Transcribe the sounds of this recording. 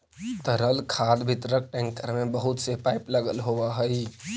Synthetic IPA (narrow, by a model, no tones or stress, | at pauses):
t̪əɾəlkʰaːd̪bʱɪt̪ɾək̚ʈɛ̃ŋkəɾmẽbəɦʊt̪sepaɪpləɡəlɦoʋaɦəi